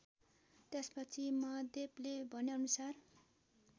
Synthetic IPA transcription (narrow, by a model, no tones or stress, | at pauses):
t̪espʌt͡sʰimʌd̪eblebʱʌneʌnusar